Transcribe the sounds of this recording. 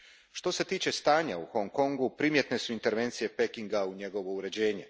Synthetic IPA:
ʃt̪o̞se̞t̪iːt͡ɕe̞st̪aːɲaṵxo̞ŋko̞ŋɡupɾimje̞t̪ne̞suint̪e̞ɾʋe̞ːnt̪sije̞pe̞kiŋɡauɲe̞ɡo̞ʋo̞uɾe̞d͡ʑe̞ːɲe̞

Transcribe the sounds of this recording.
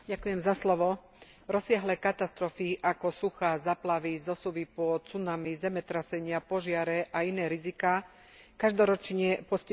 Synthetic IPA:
ɟakujɛmzaslɔʋɔ | ɾɔsɪaɦlɛːkat̪ast̪ɾɔfiʔakɔsuxaːzaːplaʋizɔsuʋipɔt͡sunamizɛmɛt̪ɾasɛɲɪapɔʒɪaɾɛʔainɛːɾizikaː | kaʒd̪ɔɾɔt͡ʃɲɛpɔsci

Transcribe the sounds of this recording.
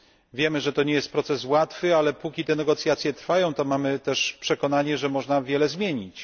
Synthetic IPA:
vʲjɛmɘʐɛt̪ɔɲɛjɛst̪pɾɔt̪sɛswat̪fɘalɛpukʲit̪ɛnɛɡɔt̪sʲjat̪sʲjɛt̪ɾfajɔ̃w̃t̪ɔmamɘt̪ɛʂpʂɛkɔn̪aɲɛʐɛmɔʐnavʲjɛlɛzmʲjeɲit͡ɕ

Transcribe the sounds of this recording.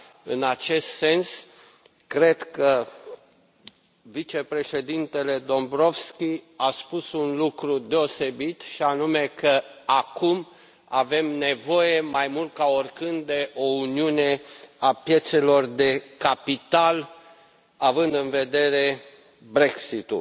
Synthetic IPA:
ɨnat͡ʃe̞st̪se̞ns | kɾe̞d̪kə | vit͡ʃepɾe̞ʃe̞d̪int̪e̞le̞d̪o̞mbɾo̞vskʲiaspusunlukɾud̪e̞o̞se̞bit̪ʃianume̞kəakum | ave̞mne̞vo̞je̞majmult̪̚kaorkɨnd̪d̪e̞ʔo̞uniune̞apje̞t̪se̞lo̞rd̪e̞kapit̪al | avɨnd̪ɨnve̞d̪e̞ɾe̞ | bɾe̞ksit̪ṵ

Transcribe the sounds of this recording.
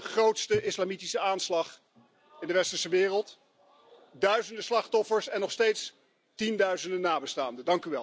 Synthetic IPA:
χrowtstəʔɪslamitisəaːnslɑχ | ɪndəʋɛstəɹsəʋɪːrəlˠt | dœɥzəndəslɑχtɔfəɹsɛnɔχstejts | tindœɥzəndənaːbəstaːndədɑŋkyʋɛl

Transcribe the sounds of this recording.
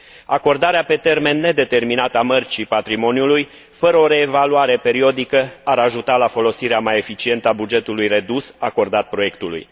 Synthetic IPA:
ako̞rd̪aɾeape̞t̪e̞rme̞nːe̞d̪e̞t̪e̞rminat̪əamərt͡ʃipat̪ɾimo̞njuluj | fəɾəo̞ɾe̞ːvaluaɾe̞pe̞ɾio̞d̪ikəaɾaʒut̪alafo̞lo̞siɾeamaje̞fit͡ʃie̞nt̪əabud͡ʒe̞t̪ulujre̞d̪usako̞rd̪at̪̚pɾo̞je̞kt̪ulṵj

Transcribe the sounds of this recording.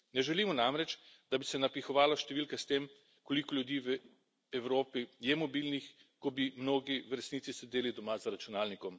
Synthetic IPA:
nɛʒɛliːmɔnamɾɛt͡ʃd̪abisɛnapixɔʋaːlaʃt̪ɛʋiːlkast̪eːm | kɔlikɔljud̪iːʋ | ɛwɾoːpijɛmɔbilnixkɔbimnoːɡiʋɾɛsniːt̪sisɛd̪eːlid̪ɔmazaɾat͡ʃunaːlnikɔm

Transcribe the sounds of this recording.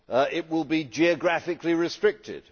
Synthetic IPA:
ɪt̚wɪlˠbid͡ʒiɨɡɹæfɪkliɹɪstɹ̥ɪk̚tʰɪ̰d̥

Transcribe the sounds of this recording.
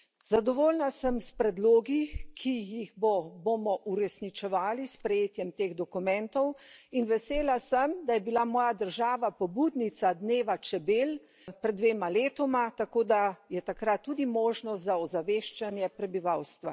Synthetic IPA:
zad̪ɔʋoːlnasəmspɾɛd̪loːɡikʰijiɣbɔbomɔʔuɾɛsnit͡ʃɛʋaːlispɾɛjeːt̪jɛmt̪eːɣd̪ɔkumɛ̃nt̪ɔwinʋɛseːlasəmd̪ajɛbilamɔːjad̪əɾʒaːʋapɔbud̪nit̪sad̪neːʋat͡ʃɛbeːl | pɾɛd̪ːʋeːmaleːt̪ɔmat̪akoːd̪ajɛt̪akɾat̪̚ːuːd̪imoːʒnɔst̪zaɔzaʋeːʃt͡ʃanjɛpɾɛbiʋawst̪ʋa

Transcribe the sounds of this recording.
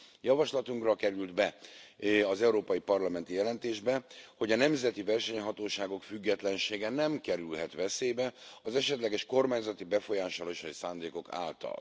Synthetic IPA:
jɒvɒʃlɒt̪uŋkrɒkɛɾyld̪bɛ | ɒzɛuɾoːpɒjipɒrlɒmɛnt̪ijɛlɛnt̪eːʒbɛho̞ɟɒnɛmzɛt̪ivɛrʃɛɲɦɒt̪oːʃaːɡo̞kfyɡːɛt̪lɛnʃeːɡɛnɛmkɛɾylɦɛt̪ʋɛseːbɛɒzɛʃɛt̪lɛɡɛʃko̞rmaːɲzɒt̪ibɛfo̞jaːʃɒloʃɒjisaːnd̪eːko̞ka̰ːlt̪ɒ̰l

